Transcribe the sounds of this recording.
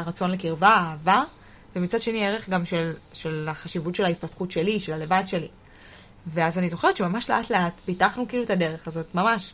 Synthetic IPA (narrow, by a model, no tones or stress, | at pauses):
ʁat͡so̞nlekiʁvaaːva | vemit͡sad̥ʃe̞nieʁe̞χɡamʃelʃe̞laχaʃivutʃe̞lhait̚patχutʃe̞liʃe̞lalevadʃe̞li | veazanizo̞χeʁetʃe̞mamaʃle̞ʔatle̞atpitaχnukiiːluetade̞ʁe̞χazo̞tmamaʃ